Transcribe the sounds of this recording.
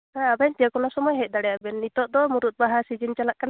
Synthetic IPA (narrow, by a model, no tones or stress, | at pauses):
hãabɛnt̪ijakɔnasɔmɔjɦɛt̪̚d̪aɽɛjabɛnːit̪ɔʔ̚d̪ɔmuɾut̪̚baɦasid͡ʒint͡ʃalaʔ̚kana